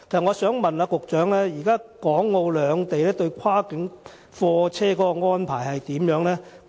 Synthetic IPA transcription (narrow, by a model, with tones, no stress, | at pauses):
kʰe˨˩sɐ˨˩ŋɔː˨˧sœː˨˥ŋmɐ˨naː˧kʊ˨k̚t͡ʃœː˨˥ŋlɛː˥jiː˨˩kaː˥kɔː˨˥ŋːo˧wlœː˨˧ŋt̪e˨jlɛː˥t̪ɵ˧ɥkʰwaː˥kɪ˨˥ŋ | fɔː˧t͡sʰɛː˥kɔː˨˥kɔ˧ŋɔː˥npʰaː˨˩jhɐ˨jt̪iː˨˥mjœː˨˥ŋlɛː˥